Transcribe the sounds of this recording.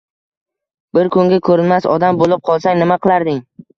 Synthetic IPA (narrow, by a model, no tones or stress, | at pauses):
bɪɾkʰʊŋɡʲakʰɵɾɪnmasɒ̰d̪ambolɪp̚qʰɒlˠsaŋnɪmaqɨlˠaɾd̪ɪŋ